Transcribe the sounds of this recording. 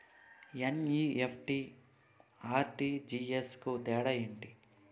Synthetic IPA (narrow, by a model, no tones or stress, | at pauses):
eniːepʰʈi | aːɾʈiːd͡ʒiːeskut̪ɛːɽɐjeːɳʈi